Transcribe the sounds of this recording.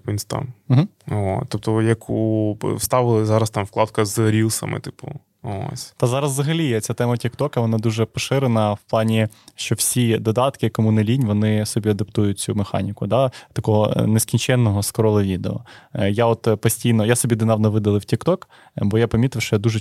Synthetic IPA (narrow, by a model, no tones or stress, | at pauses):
inʲst̪ɑ̰nm̩ɦm̩ | ɦo̰t̪ɔp̚t̪ɔjɐkʰuwst̪ɑʋɪlˠɪzɑɾɐst̪ɑmfklˠɑt̪kɐzɾʲilˠsɐ̰mɪ̰t̪ɪ̥pʊ̰ | o̰sʲt̪ɐzɑɾɐzːzɐɦɐlʲiɛt͡sʲat̪ɛmɐtʲikt̪ɔkɐʋɔnɑd̪uʒɛpɔʃɪɾenɐwplˠɑnʲiʃt͡ʃɔwsʲid̪ɔd̪ɑt̪kɪkɔmunɪlʲinʲʋɔnɪsɔbʲiɐd̪ɐpt̪ujʊt̚ʲt͡sʲumexɑ̰nʲikʊd̪ɑt̪ɐkɔɦɔ̰nɛskʲinʲt͡ʃɛnːɔɦɔskɾɔlˠɐʋʲid̪eɔ̰jaɔt̪pɔsʲtʲijnɔjasɔbʲid̪ɪnɑʋnɐʋɪd̪ɐlˠɪwtʲikt̪ɔk | bɔjapɐmʲit̪ɪwʃt͡ʃɔjad̪uʒɛ